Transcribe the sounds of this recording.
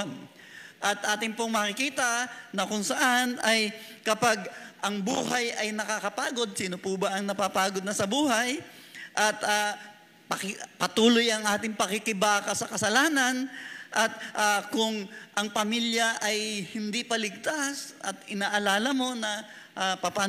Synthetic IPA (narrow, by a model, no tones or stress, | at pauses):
n | ʔɐt̪ʔaːt̪ɪŋpoŋmɐkɪkiːt̪ɐnɐkʊŋsɐʔanʔɐj | kɐpaɡ̚ʔɐŋbṵːhɐjɐjnɐkakɐpaːɡo̞d̪̚siːnopuːbɐʔɐŋnɐpapaːɡod̪nɐsɐbuːɦɐj | ʔɐt̪a | pɐkpɐt̪uːlojʔɐŋʔaːt̪ɪŋpɐkɪkɪbaːkɐsɐkɐsɐlaːnɐnʔɐt̪̚ʔakʊŋʔɐŋpɐmiljɐʔɐjhɪnd̪ipɐlɪɡ̚t̪asʔɐt̪ɪnaːʔɐlaːlɐmo̞nɐ | ʔapɐpa